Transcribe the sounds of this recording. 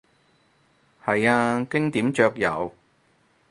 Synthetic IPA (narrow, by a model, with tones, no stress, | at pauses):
hɐ˨jaː˧kɪ˥ŋt̪iː˨˥mt͡ʃœː˧k̚jɐ˨˧w